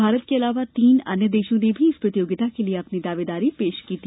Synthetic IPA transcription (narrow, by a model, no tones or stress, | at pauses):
bʱaːɾət̪̚keɐlaːʋat̪iːnɐnjəd̪eːʃõnebʱiɪspɾət̪ijoːɡɪt̪akelieɐpnid̪aːʋeːd̪aːɾipeːʃkiːt̪i